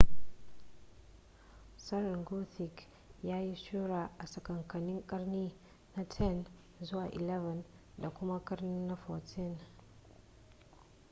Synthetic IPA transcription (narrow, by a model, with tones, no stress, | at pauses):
sɐ˦ɾɐ˨ŋɡo˦θɪ˨k | jaː˦ji˦ʃuː˦ɾaː˨ʔa˨sɐ˨kɐ˨ŋkɐ˨nɪ˦ŋkʼɐ˦rniː˦ | na˦tʰɛ˦˨n | zʊ˦waː˨ʔɪ˨lɛ˦vɐ˨n | da˨kʷʊ˦ma˦kʼɐ˦ɾnɪ˦nːa˦fɔ˨tʰɪ˦˨n